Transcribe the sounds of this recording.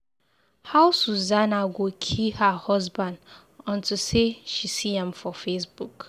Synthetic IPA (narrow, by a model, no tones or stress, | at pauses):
hawsuzanaɡʷokʰihahɔsbãnd | ɔ̃ntuseʃisiɛ̃mfɔfesbuk